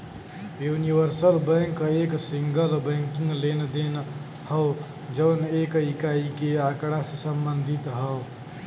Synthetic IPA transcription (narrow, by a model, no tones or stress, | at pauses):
juniʋəɾsəlbəŋkeksiŋɡəlbə̃ŋkĩŋɡlend̪en | həʊ | d͡ʒəːnekikaikeakɽasesəmbənd̪ʱit̪ɦəʊ